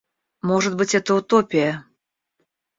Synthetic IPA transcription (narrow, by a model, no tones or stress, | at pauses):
moʒət̪̚bətʲɛt̪əut̪opʲia